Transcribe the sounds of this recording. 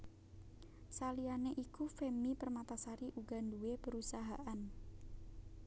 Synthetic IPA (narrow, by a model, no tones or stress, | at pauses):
salianeʔikufemipərmat̪asaɾiʔuɡanduwepəɾusaɦaʔan